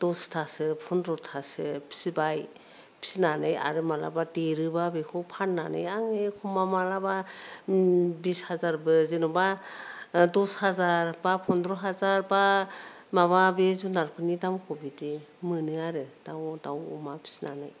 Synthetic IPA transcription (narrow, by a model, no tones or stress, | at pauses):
d̥ɔstʰasɯpʰɔndɾɔtʰasɯpʰi̥sibaj | pʰi̥sinanɯja̰ɾɯmala̰badeɾɯbabekʰɔpʰanːa̰nɯ̰jaŋekʰumamalaba | bishazaɾbɯzenɔba | dɔshazaɾbapʰɔndɾɔɦazaɾba | maβabezunaɾpʰɯnidamkʰɔbidemɯnɯaɾɯd̥awdawṵmapʰi̥sna̰nɯ̰j